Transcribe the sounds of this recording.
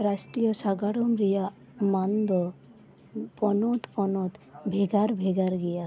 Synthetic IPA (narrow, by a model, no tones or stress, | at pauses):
ɾasʈɾijɔsaɡaɽɔmɾija | mand̪ɔ | pɔnɔt̪pɔnɔt̪bʱeɡaɾbʱeɡaɾɡɛja